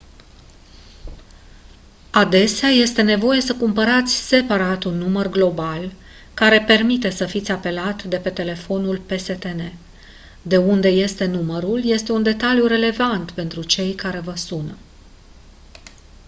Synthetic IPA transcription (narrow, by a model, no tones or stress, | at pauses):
ad̪e̞seaje̞st̪e̞ne̞vo̞je̞səkumpəɾat̪sʲse̞paɾat̪unːumərɡlo̞bal | kaɾe̞pe̞rmit̪e̞səfit̪sʲape̞lat̪d̪e̞pe̞t̪e̞le̞fo̞nulpe̞se̞t̪e̞ne̞ | d̪e̞und̪e̞je̞st̪e̞numəɾulje̞st̪e̞und̪e̞t̪aljuɾe̞le̞vant̪pe̞nt̪ɾut͡ʃe̞jkaɾe̞vəsunə